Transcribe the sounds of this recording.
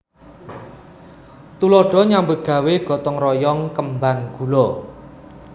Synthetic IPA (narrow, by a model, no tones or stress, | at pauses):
t̪ulɔɖ̥ɔ̤ɲambʊt̪̚ɡ̥ä̤weɡ̥ɔ̤t̪ɔŋrɔjɔŋkəmbaŋɡ̥ulɔ